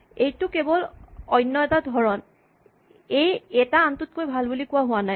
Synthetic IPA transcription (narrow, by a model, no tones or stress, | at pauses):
ejtʊkebɔlɔjnːɔɛtadʱɔɹɔn | ejɛtaːntut̚kojbʱalbolikʊwaɦʊwanaj